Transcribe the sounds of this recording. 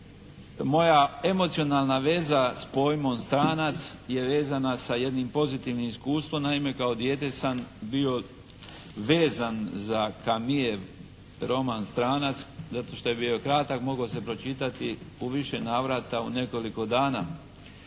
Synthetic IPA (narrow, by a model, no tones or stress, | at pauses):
mo̞jae̞mot̪sio̞naːlˠnaʋe̞zaspo̞jmo̞mst̪ɾaːnat̪sje̞ʋe̞ːzanasaje̞d̪nimpo̞zit̪iʋnimiskuːst̪ʋo̞mnaime̞kao̞d̪je̞t̪e̞sambio̞ | ʋe̞ːzanzakamieʋ | ɾo̞manst̪ɾaːnat̪szat̪o̞ʃt̪o̞je̞bio̞kɾat̪akmo̞ɡose̞pɾo̞t͡ʃit̪at̪iuʋiʃe̞naːʋɾat̪aune̞ko̞liko̞d̪aːna